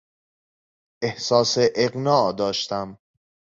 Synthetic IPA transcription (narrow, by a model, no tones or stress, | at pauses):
ʔehsɒːseʔeɣnɒːʔd̪ɒːʃt̪æm